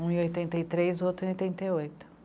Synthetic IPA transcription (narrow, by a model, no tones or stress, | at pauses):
ũiojt̪ẽnt̪ɐit̪ɾezot̪ɾʊiojt̪ẽnt̪ejojt̪ʊ̥